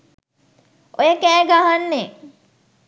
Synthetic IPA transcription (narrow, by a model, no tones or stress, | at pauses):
ojəkæːɡaɦanːe